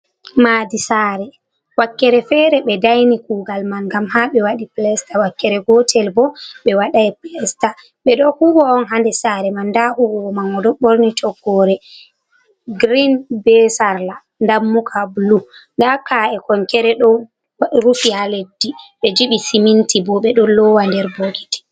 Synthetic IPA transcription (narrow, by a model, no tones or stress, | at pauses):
maːdisaːɾɛ | wakːɛɾɛfɛːɾɛɓɛdajnikuːɡalmanŋɡamhaɓɛwaɗiplɛstawakːɛɾɛɡɔtʰɛlbɔɓɛwaɗajplɛsta | ɓɛɗɔhubɔːnɦandɛsaːɾɛmandahubɔɔmanɔdɔɓoɾnitʰɔɡːɔɾɛ | ɡɾinbɛsaɾla | ndamːukʰabuluŋɡakaɛkɔŋkɛɾɛɗɔ | ɾufihaledːiɓɛd͡ʒiɓisimintibɔɓɛɗɔlɔwandɛɾboɡitɛ̥